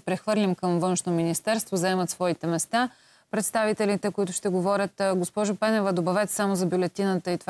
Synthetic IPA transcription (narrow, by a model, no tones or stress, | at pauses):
pɾɛxvɤɾlʲimkəmvɤnʃnominist̪ɛɾst̪vozɐɛmət̪svɔit̪ɛmɛst̪a | pɾɛt̪st̪avit̪ɛlit̪ɛkoit̪ʊʃt̪ɛɡovɔɾʲət̪ɡospɔʒʊpɛnɛvəd̪obɐvɛt̪samozɐbʲjulɛt̪inət̪əit̪v